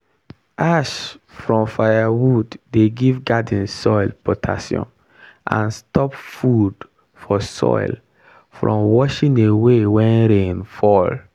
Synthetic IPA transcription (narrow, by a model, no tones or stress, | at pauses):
ʔaʃfɹɔ̃mfajawudːeɡivɡad̃n̩sɔɪlpʰɔtʰa̰sjɔ̰̃n | ʔã̰nstɔpfud̥ | fɔsɔ̰ɪl | fɹʔɔ̰̃mwɔʃĩnewewɛ̃nɾẽnfɔl